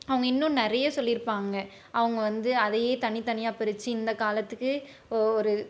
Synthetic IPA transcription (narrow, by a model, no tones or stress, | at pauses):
ɐʋɐŋɡɐɪnːʊ̃nɪɾɐjɐsɔlːɪɾɯpːaːŋɡɐ | ʔɐʋɐŋɡɐʋɐnd̪ɯɐðɐjeːt̪ɐnit̪ɐnɪjaːpɛɾɯt͡ʃːɯɪnd̪ɐkaːlɐt̪ːɯkːɯ | ɔɾɯ